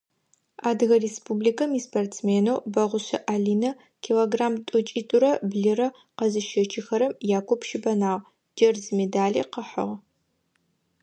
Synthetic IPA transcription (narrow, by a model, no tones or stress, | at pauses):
aːdɨɣɐrespublikʰɐmiːspɐrtt͡smeːnowbɐʁʷʊɕɐ̰ʔaːɮiːnɐ | kʰiloɡraːmtʼʊt͡ʃʼitʼʊɾɐbɮɨrɐ | qɐzɨʃɐt͡ʃʰʼɪxɐɾɐmjaːkʷʰɔpʃɪbɐnaːʁ | d͡ʒɐrzmedaːɮḭːqəħə̰ʁ